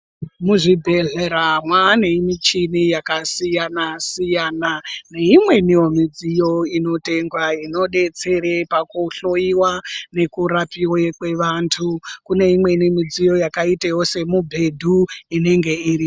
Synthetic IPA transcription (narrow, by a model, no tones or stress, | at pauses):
muʐibʱe̞ɮeɾamwane̞imit͡ʃinijakasijanasijaːnane̞imwe̞nijo̞mid͡zijo̞ino̞te̞ŋɡwaino̞ɗe̞t͡se̞ɾepakuɬo̞jiwane̞kuɾapiwekwe̞ʋantʰukune̞imwe̞nimid͡zijo̞jakaitajo̞se̞mubʱe̞dʱuine̞ŋɡe̞iːri